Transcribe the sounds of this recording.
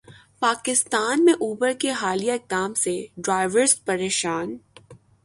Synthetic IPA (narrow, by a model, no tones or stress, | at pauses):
paːkɪst̪aːnmẽʔuːbəɾkeɦaːlijaɪk̚d̪aːmseɖɾaːɪʋəɾspɐɾeːʃaːn